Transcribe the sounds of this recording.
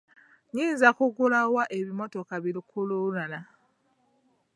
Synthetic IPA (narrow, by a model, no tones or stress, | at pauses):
ɲiːnzakuɡulawaʔe̞βimo̞to̞kaβilikʰululana